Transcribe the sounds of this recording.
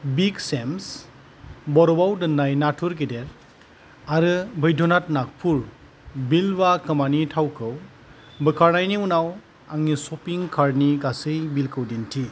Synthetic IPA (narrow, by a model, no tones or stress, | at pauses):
biksems | bɔɾɔbawdɯnːajnatʰuɾkideɾ | aɾɯbʱɯjdʱɔnat̚nak̚pʰuɾ | bilbakʰɯmanitʰawkʰɯw | bɯkʰaɾnajniunaw | aŋnisɔpiŋkʰaɾniɡasɯjbilkʰɯwdintʰi